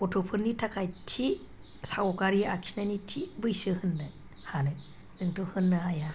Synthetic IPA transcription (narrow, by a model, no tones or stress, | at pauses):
otʰopʰɯɾnitʰakʰajtʰi | saɡɔkaɾiakʰi̥snanitʰibɯjsɯhɯnːɯ | hanɯ | z̥ɯŋtohɯnːɯaja